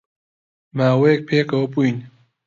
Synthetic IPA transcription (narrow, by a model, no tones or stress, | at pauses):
maːwɐjek̚pʰeːkɐwɐpuin